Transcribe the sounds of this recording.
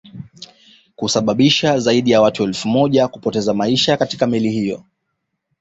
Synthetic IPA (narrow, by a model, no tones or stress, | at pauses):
kusaɓaɓiʃazaiɗijawatuɛlfumɔʄakupɔtɛzamaiʃakatikamilihijɔ̰